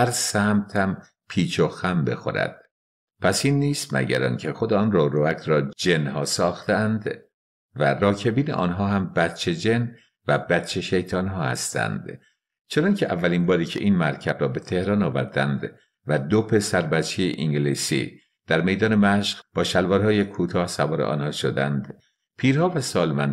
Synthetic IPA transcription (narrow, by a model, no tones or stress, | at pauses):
hæɾsæmt̪ʰæm | pʰiːt͡ʃʰoxæmbe̞̰xo̰ɾæ̰d̪̥̚ | pʰæsiːnːiːst̪mʔæ̰ɟæ̰ɾɒ̰ːncʰexo̞d̪eɒːnrɒːɾoækʰɾɒːd͡ʒe̞nhɒːsɒːxt̪ʰeænd̪ | værɒːcʰe̞biːneʔɒ̰ːnɦɒːhæmbæt̪t͡ʃʰːe̞d͡ʒen | væbæt͡ʃʰe̞ʃe̞jt̪ʰɒːnɦɒːhæ̰st̪ʰæ̰nd̪̥ | t͡ʃʰenɒncʰeʔævːælinbɒːɾiːcʰe̞̰ʔiːnmæɾcʰæbɾɒːbe̞t̪ʰe̞hɾɒːnɒːvæ̰ɾd̪æ̰nd̪ | væd̪opʰe̞sæɾbæt͡ʃʰːejeʔiŋɟeliːsḭː | d̪̥æɾme̞jd̪ɒːne̞mæʃɢ̥b̥ɒːʃælvɒːɾhɒːjekʰuːt̪ʰɒːhsævɒːɾḛʔɒ̰ːnhɒːʃod̪ænd̪ | pʰiːɾhɒːvæsɒːlmæn